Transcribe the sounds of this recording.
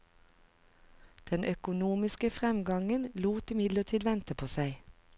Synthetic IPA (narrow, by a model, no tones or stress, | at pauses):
d̪̥ɛnʔœkʊnuːmɪskəfʁɛmɡɑŋənluːt̪ɪmɪd̪lət̪ʰiːd̪ʋɛnt̪əpʰoːsæɪ